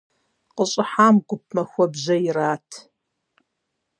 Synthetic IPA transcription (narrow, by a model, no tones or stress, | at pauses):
qəɕʼɪħaːmɡʷʊp̚ʰmɐxʷɔbʑɐjɪɾaːtʰ